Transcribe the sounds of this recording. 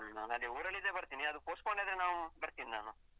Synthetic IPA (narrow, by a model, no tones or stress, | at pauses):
naːnɐlːioːɾɐɭːid̪ebɐɾt̪iːniɐd̪upoːskoɳɖed̪enaːʋubɐɾt̪ininaːnu